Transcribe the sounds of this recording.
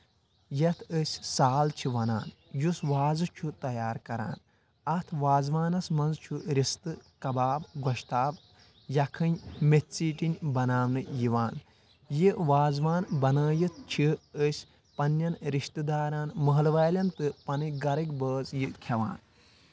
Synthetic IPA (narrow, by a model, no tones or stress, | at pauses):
jɐt̪ʰəsʲsaːlt͡ʃʰiʋɐna̰ːnjusʋaːzɨt͡ʃʰut̪ɐjaːɾkɐɾa̰ːn | ɐt̪ʰʋaːzʋaːnɐsmɐnzt͡ʃʰuɾist̪ɨkɐbaːbɡɔʃt̪aːb | jɐkʰɨnʲmetʲt͡siːʈinʲbɐnaːwnɨjiʋaːn | jiʋaːzʋaːnbɐnəːjit̪̚ʰt͡ʃʰiəsʲ | pɐnːɐnɾiʃt̪ɨd̪aːɾaːnmɐɦɐlʋaːlʲɐnt̪ɨpɐnɨɡɐɾɐkʲbəːzjikʲʰɐʋa̰ːn